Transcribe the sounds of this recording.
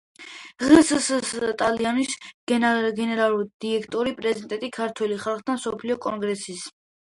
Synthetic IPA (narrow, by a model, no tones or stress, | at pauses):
ʁɛssst̪ʼalianis | ɡɛnɛɾalˠuɾid̪̥iɛkʰt̪ʼɔɾipʼɾɛzid̪ʼɛt̪ʼikʰaɾt̪ʰwɛliχalˠχd̪ʰamsɔpʰliɔkʼɔ̰ŋɡɾɛsis